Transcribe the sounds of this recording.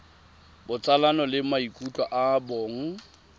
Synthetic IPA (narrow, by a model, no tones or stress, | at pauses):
bʊt͡sʼalanɔlɪmaikʼutʼwaʔaboːŋ̩